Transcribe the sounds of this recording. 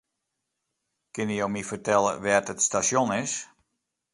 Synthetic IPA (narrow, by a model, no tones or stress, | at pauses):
kɪnijowmifərtɛlˠə̰ʋɛːtətstasjonɪs